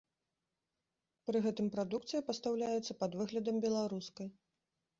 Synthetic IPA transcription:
pɾɨɣɛt̪ɨmpɾad̪ukt̪sɨjɐpɐst̪awlʲajɛt̪sːɐpɐd̪vɨɣlʲɐd̪ɐmbʲɛlˠaɾuskɐj

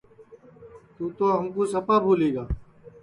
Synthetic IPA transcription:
t̪ũːt̪oːɦəmkoːsəpaːbʱoːleːɡaː

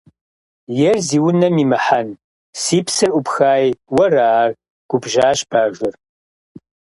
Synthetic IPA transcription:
jɛrziːwʊnɐmiːmɨħan | siːpsɨrʔʷʊpxaːjwɐraːr | ɡ̥ʷʊbʒaːɕb̥aːʒʷʊr

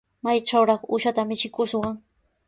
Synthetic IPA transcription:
majʈ͡ʂawɾɑχʊʃat̪amɪt͡ʃɪkʊʃwɑŋ

